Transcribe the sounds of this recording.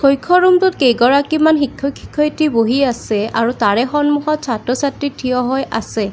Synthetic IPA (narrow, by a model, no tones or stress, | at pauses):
kojkʰːɔɹumtʊt̚kejɡɔɹakimanxikʰːɔkʰi̥kʰːɔjtiboɦiasɛaɹutaɹɛxɔnmuxɔt̚sʰatɔsatɹitʰiɔɦɔjʔasɛ